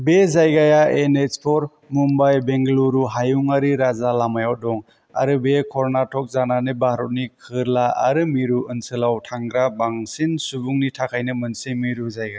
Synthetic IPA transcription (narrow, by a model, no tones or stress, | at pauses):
bezajɡajaenespʰɔɾ | mumbajbeŋɡluɾuɦajuŋaɾiɾazalamajaw̚dɔŋ | a̰ɾɯbekʰɔɾnatʰɔk̚zananɯbahɾɔt̚nikʰɯɾlaa̰ɾɯmiɾuɯnsɯlawtʰaŋɡɾabaŋsinsubuŋnitʰakʰajnɯmɯnsimiɾuzajɡaj